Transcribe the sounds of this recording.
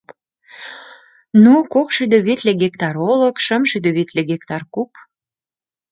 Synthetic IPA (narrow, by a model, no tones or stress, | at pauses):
nukokʃyd̪øβet̪leɡek̚t̪ɑɾoləkʃəmʃyd̪ø̆βet̪leɡekt̪ɑrkup̚